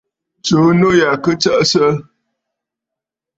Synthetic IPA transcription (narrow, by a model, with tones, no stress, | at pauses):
t͡ʃo˨˦no˦ja˨kə˦t͡sə˦ʔsə˦